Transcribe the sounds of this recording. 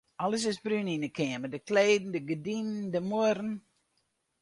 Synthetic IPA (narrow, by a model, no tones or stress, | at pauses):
ɔləs̬ɪsbryninəkʰɪəmədəkʰleːdn̩dəɡədinndəmuɾn̩